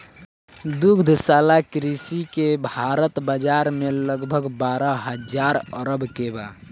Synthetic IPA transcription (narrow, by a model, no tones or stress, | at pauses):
d̪uɡd̪ʱsalakɾisikebʱaɾət̪bad͡ʒaɾmeləɡbʱəɡbaɾəɦəd͡ʒaɾəɾəbkeba̰